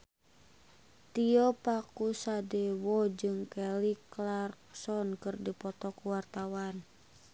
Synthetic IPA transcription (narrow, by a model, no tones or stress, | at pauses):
t̪iɔpakusadɛwɔd͡ʒɨŋkɛliklarksɔnkɨrdipɔt̪ɔkuwart̪awan